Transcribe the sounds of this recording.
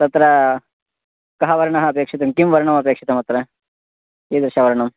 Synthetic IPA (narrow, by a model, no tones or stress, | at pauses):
t̪ɐt̪ɾɐ | kɐɦɐʋɐɾɐɳɐɦɐɐpeːkʂit̪ɐmkimʋɐɾɐɳɐmɐp̬eːkʂit̪ɐmɐt̪ɾɐ | iːd̪ɾɐʃɐʋɐɾɐɳɐm